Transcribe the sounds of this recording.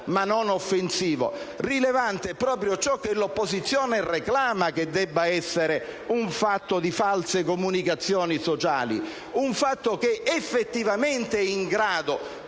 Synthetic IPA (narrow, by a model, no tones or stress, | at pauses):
manonofːensiːvo̰rilevant̪eɛpːɾɔːpɾjot͡ʃɔk̟ːelopːozit̪sːjɔːnereklaːmaked̪ːɛbːaɛsːeɾeuɱfat̪ːod̪ifalsekomunikat̪sːjɔːnisot͡ʃa̰ːlḭ | uɱfat̪ːokeʔːfːet̪ːivament̪eɛiŋɡɾaːd̪o